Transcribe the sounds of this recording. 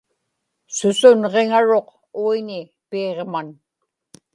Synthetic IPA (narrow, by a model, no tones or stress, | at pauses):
sʊsʊnʁe̞ŋaɻo̞q | uinɪ | peːʁman